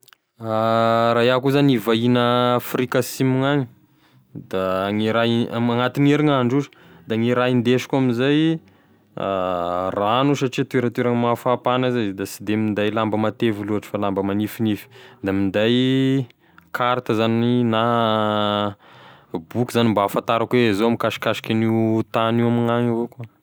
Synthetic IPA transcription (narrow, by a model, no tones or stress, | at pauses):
aɾajakuzanivainəfrikasimuŋaɲi̥ | d̪aŋiɾaaŋat̪ineɾiŋaɳɖ͡ʐuzə̥ | d̪aŋiɾaind̪eʃi̥kuaminzaj | aranuʃaʈ͡ʂit̪ueɾət̪weɾaŋəmafapanazajd̪asid̪emind̪ajlambəmat̪eviluɦaʈ͡ʂə̥falambəmanifinifi̥d̪amind̪aj | kʰaɾt̪əzanina | bukʲizanimbafant̪aɾakwezoamikaʃi̥kaʃi̥kʲanit̪aniwamiŋaŋavoka